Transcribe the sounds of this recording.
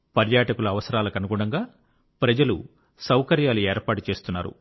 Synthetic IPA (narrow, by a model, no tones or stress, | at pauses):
pɐɾjaːʈɐkulɐːʋɐsɐɾaːlɐkɐnuɡuɽɐŋɡaː | pɾɐd͡ʒɐlṵ | sɐwkɐɾjaːlueːɾpaːʈut͡ʃe̞ːst̪unːaːɾṵ